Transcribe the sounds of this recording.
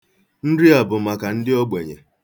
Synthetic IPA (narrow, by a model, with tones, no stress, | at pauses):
n̩˦ɾɪ˦a˨bʊ˨ma˨ka˨n̩˦dɪ˦ɔ˦ɡ͡be˨ɲḛ˨